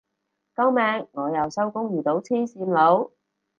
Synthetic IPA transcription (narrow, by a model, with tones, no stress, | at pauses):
kɐ˥wmɛː˨˧ŋːŋɔː˨˧jɐ˨wsɐ˥wkʊ˥ŋjyː˨˩t̪o˨˥wt͡sʰiː˥nsiː˧mlo˨˧˥w